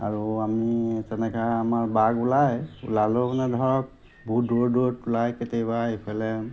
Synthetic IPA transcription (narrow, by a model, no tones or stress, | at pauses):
a̰ɹuamitɛnɛkʰaamaɹbaɡulajṵlalobɔnadʱɔɹɔk̚ | bʱudoɹdoɹtulajketejbaepʰalɛ